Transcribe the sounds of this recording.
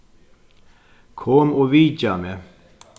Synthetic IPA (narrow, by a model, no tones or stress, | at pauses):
kʰɔmoːʋiːd͡ʒɑmeː